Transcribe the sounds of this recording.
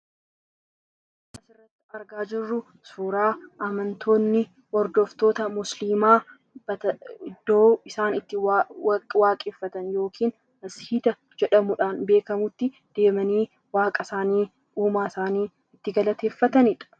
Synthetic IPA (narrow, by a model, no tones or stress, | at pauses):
kɐsɪrːɐt̪ːɪɐɾɡaːd͡ʒɪrːʊ | suːɾaːʔɐmɐnt̪ʰo̞ːnːɪ | wɔɾd̪oft̪o̞ːt̪ɐmʊsliːmaː | bɐɪd̪o̞ːɪsaːnɪt̪ːɪ | waːkʼeːfːɐt̪ɐnjo̞ːkʰiːn | ɐshiːd̪ɐ | d͡ʒɛᶑɐmʊᶑaːnbe̞ːkɐmʊt̪ːɪ | d̪̥e̞ːmɐniː | waːkʼɐsaːniː | uːmaːsaːniː | ɪt̪ːɪɡɐlɐt̪e̞ːfːɐt̪ɐnɪᶑɐ̥